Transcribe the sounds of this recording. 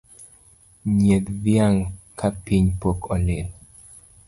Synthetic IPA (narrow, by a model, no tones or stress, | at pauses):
ɲed̪djaŋkapiɲpokʰɔlel